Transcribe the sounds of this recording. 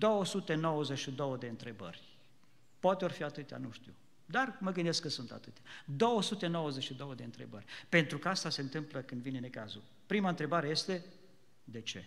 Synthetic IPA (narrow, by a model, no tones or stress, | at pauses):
d̪o̞wəsut̪e̞no̞wəzet͡ʃʃid̪o̞wəd̪e̞ɨnt̪ɾe̞bə̰rʲ | poat̪eorfiat̪ɨt̪ja̰nuʃt̪ḭw | d̪arməɡɨnd̪e̞skːəsunt̪a̰t̪ɨt̪jad̪o̞wəsut̪e̞no̞wəzet͡ʃʃid̪o̞wəd̪eɨnt̪ɾe̞̰bərʲpe̞nt̪ɾukəast̪ase̞ɨnt̪ɨmpləkɨnd̪vine̞ne̞kazul | pɾimaɨnt̪ɾe̞baɾe̞je̞st̪e̞ | d̪e̞t͡ʃe̞̰